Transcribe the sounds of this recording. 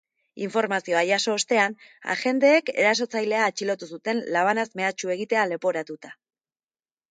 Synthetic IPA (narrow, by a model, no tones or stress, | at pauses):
iɱfo̞ɾmasio̞ajaso̞ːst̪e̞ana̰xe̞nd̪e̞ːke̞ɾas̬o̞t͡sajle̞aːt͡ʃilo̞t̪usut̪e̞nlaβ̞anazme̞at͡ʃue̞ɣ̞it̪e̞ale̞po̞ɾat̪ut̪ḁ